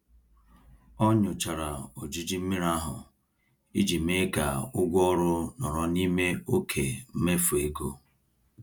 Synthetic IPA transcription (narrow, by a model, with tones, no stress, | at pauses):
ɔ˦ɲʊ˨t͡ʃa˨ɾa˨o˨d͡ʒi˦d͡ʒi˦m̩˦mi˦ɾa˦ɦʊ̰˨ | i˦d͡ʒi˨me˦ɡa̰˨ʊ˦ɡʷɔ˦ɾʊ˦nɔ˨ɾɔ˨ni˦me˦o˦kʰe˨m̩˦me˦fu˨e˨ɡo˦